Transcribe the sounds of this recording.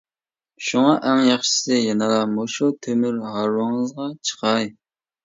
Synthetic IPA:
ʃuŋɑʔɛŋjɑχʃi̥sɨjɑnɑlˠɑmoʃut̪ʰømyɾɦɑɾwɑŋəzʁɑt͡ʃʰə̥qɑj

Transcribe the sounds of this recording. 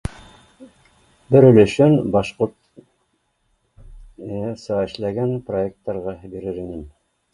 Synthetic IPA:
bɘɾɵ̆lɵ̆ʃɵnbɑʃqoɾt̪ | sɑɘ̆ʃlæɡænprojek̚t̪ːɑɾʁɑbiɾɘɾinɘn

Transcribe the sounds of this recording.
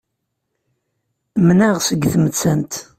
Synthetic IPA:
mnæʁsəɡθmət͡sːænt̪

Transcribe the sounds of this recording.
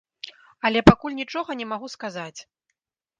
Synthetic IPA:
ɐlʲɛpakulʲnʲit͡ʂɔɣɐnʲɛmaɣuskazat͡sʲ

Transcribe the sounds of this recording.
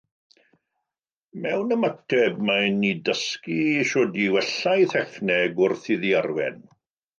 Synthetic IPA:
mɛwnəmatʰɛb̚manidəskiʃoːdiwɛɬajθɛfnɛɡʊrθiðiarwɛ̰n

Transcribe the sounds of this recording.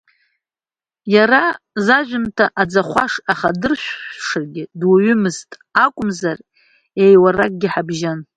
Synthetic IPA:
jaɾa | zaʒʷᶣʊntʰaʔad͡zaχʷaʂaχadɨrʃʷᶣʂɨrɡʲɪdwaɥʏmɨztʼakʷʼʊmzar | ejwarak̚ʼɡʲɪħabʒan

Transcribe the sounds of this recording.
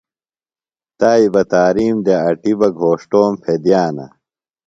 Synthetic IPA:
t̪aːibɐt̪aːɾiːmd̪eɐʈibɐɡʱoːʂʈoːmpʰed̪jaːnɐ̰

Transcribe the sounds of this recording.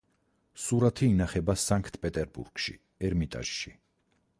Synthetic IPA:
suɾat̪ʰiːnaχɛbasaŋkʰt̪ʼpʼɛt̪ʼɛɾbṵɾɡ̥ʃḭ | ɛɾmit̪ʼa̰ʒ̥ʃi

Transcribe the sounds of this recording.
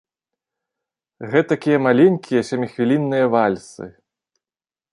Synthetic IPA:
ɣɛt̪akʲijɐmalʲenʲkʲʰijɐsʲamʲixvʲilʲinːɨjɐvalʲsɨ̰

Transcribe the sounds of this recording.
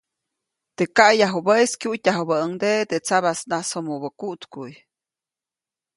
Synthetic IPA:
t̪ekaʔjaɦubəjskʲjuʔtʲaɦubəəŋd̪et̪et͡saβasnasomubəkuʔt̪kuj

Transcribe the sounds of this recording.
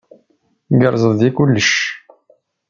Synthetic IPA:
ɡəɾˤzˤəððikʊlːəʃ

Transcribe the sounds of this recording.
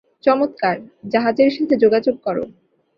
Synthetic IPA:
t͡ɕɔmot̪kaɾd͡ʑaɦad͡ʑeɾʃat̪ʰed͡ʑoɡad͡ʑoɡ̚kɔɾo̰

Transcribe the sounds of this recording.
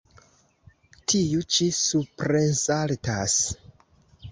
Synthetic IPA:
tʰijut͡ʃisupɾensaltas

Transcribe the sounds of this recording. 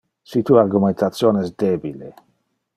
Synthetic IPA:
sit̪uːaɾɡument̪at̪sjoːneɛsd̪ebile

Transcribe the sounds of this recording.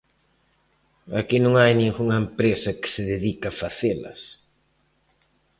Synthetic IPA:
a̰kinõŋajnĩŋɡuŋɐempɾesɐkɪ̥sɪðeðikɐfaθelɐ̰s

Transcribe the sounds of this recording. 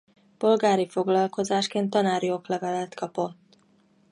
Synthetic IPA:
po̞lɡaːɾifo̞ɡlɒlko̞zaːʃkeːnt̪ːɒnaːɾijoklɛvɛlɛt̪kʰɒpo̞t̪ː

